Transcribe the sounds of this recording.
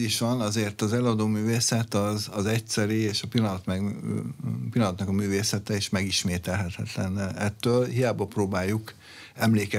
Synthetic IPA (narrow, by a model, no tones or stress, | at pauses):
iʃʋɒnɒzeːrt̪ɒzɛlɒd̪oːmyːveːsɛt̪ɒzɒzɛcsɛɾieːʃɒpilːɒnɒt̪mɛ | pilːɒnɒt̪nɒkɒmyːveːsɛt̪ɛeʃmɛɡiʃmeːt̪ɛlɦɛt̪ɛt̪lɛ̰nɛt̪ːøːlɦijaːbɒproːbaːjːuk | ɛmleːkɛ